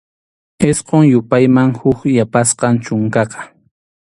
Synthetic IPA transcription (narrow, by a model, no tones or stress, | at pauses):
esqoŋjʊpajmaŋhʊkjapasqɑnt͡ʃʊŋkɑqɑ̥